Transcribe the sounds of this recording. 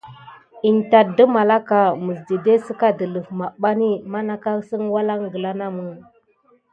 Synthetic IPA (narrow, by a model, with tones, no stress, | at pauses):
i˨nta˨t̚də˦ma˨la˦ka˨mə˨s̬di˨de˦sə˦ka˦də˨lə˨fma˨ɓa˦ni˦ma˦na˦ka˦sə˦ŋwa˦la˦ŋɡə˨la˦na˦mu˦ŋ